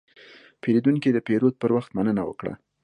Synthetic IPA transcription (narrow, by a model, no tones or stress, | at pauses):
peɾid̪uŋkid̪əpeɾod̪̚pəɾwaxt̪manənawə̰kɽa̰